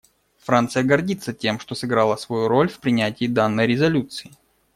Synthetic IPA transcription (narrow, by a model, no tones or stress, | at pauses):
fɾant̪sɨjəɡɐrdʲit̪sːətʲe̞mʂt̪osɨɡɾalˠəsvɐjuɾo̞lʲfpɾʲɪnʲætʲɪːd̪anːəjɾʲɪzɐlʲut̪sɨɪ